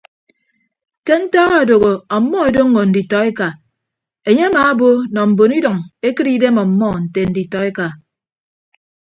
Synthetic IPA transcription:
ke˦n̩˦ta˦ɣa˦˨do˨ɣo˨ɔ˨˦mːɔ˦e˨do˦ŋ̩ː˦o˨n̩˨di˨tɔ˨e˦ka˨ | e˨ɲe˦a˦maː˨˦bo˦nɔ˨m̩˨bo˨ni˦dɔ˨ŋe˦kɨ˦ɾi˦de˦mɔ˨m̩˦mːɔ˦n̩˨te˨n̩˨di˨tɔ˨e˦ka˨

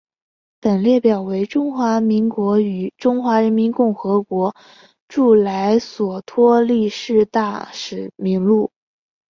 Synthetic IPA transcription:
pə˨˩nljɛ˥˩pjɑ˨˩ʊwe˧˥ɪʈ͡ʂʊ˥ŋxwa˧˥mi˧˥ŋkwɔ˧˥y˨˩ʈ͡ʂʊ˥ŋxwa˧˥ɻə˧˥nmi˧˥nkʊ˥˩ŋxɤ˧˥kwɔ˧˥ | ʈ͡ʂu˥˩la˧˥ɪswɔ˨˩t̪ʰwɔ˥li˥˧ʂɻ̩˥˧t̪a˥˩ʂɻ̩˨˩mi˧˥ŋlu˥˩

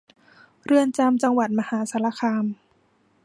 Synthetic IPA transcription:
ɾɯ˧ənt͡ɕa˧mt͡ɕa˧ŋwa˨˩t̪̚ma˧haː˩˦sa˩˦la˧˥kʰaː˧m

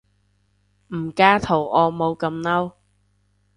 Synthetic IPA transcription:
m̩˨˩kaː˥t̪ʰo˨˩wʔɔː˨˧mo˨˧wkɐ˧mnɐ˥w

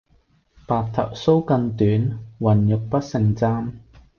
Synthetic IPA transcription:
paː˨k̚t̪ʰɐ̰˨˩k̚so˥wkɐ˧nt̪yː˨˥nwɐ˨˩njʊ˨k̚pɐ˥t̚sɪ˨ŋt͡saː˥m

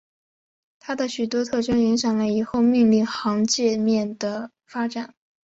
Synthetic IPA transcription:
t̪ʰa˥d̪ə˨ɕy˨˩t̪wɔ˥t̪ʰɤ˥˩ʈ͡ʂɤ˥ŋi˧˥ŋɕjɑ˨˩ŋlə˦i˨˩xo˥˧ʊmi˥˧ŋli˥˩ŋxɑ˧˥ŋt͡ɕjɛ˥˧mjɛ˥˩nd̪ə˩ | fa˥ʈ͡ʂa˨˩˦n

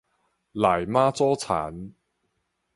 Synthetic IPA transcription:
laː˨˩jmaː˥t͡sɔː˥t͡sʰa̰ː˨˦n

